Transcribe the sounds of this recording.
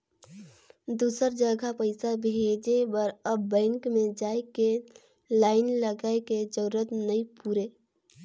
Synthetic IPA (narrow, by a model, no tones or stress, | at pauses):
d̪uːsəɾd͡ʒəɡʱapəɪsabʱed͡ʒebəɾəbːɛ̃ːŋkmẽd͡ʒaːeke | laːɪnləɡaeked͡ʒəɾuɾət̪nəipuːɾe